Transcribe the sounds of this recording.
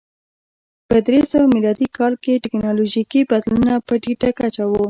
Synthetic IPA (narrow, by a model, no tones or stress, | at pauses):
pəd̪ɾesəwamilɑd̪ikʰɑlkeʈɪknɑloʒikibad̪luunapəɖiʈakat͡ʃawo